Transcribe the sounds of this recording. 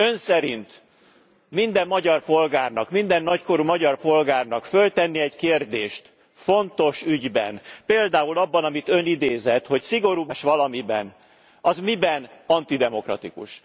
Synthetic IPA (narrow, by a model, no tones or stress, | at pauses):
ø̞nsɛɾint̪ | mind̪ɛmːɒɟɒrpo̞lɡaːrnɒkmind̪ɛnːɒcko̞ɾumɒɟɒrpo̞lɡaːrnɒkfø̞lt̪ɛnːiɛɟkeːrd̪eːʃt̪ | fo̞nt̪o̞ʃyɟbɛ̰npeːld̪aːulɒbːɒnɒmit̪ø̞nid̪eːzɛt̪ho̞csiɡo̞ɾuːbʃʋɒlɒmibɛn | ɒzmibɛnɒnt̪id̪ɛmo̞krɒ̰t̪ikṵʃ